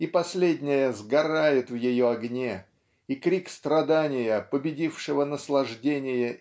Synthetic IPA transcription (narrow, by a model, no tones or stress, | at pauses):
ipɐsʲlʲedʲnʲɪjəzɡɐɾajɪt̪vjɪjoɐɡnʲe | ikɾʲikst̪ɾɐd̪anʲɪjəpəbʲɪdʲifʂɨvənəslˠɐʐdʲenʲɪjə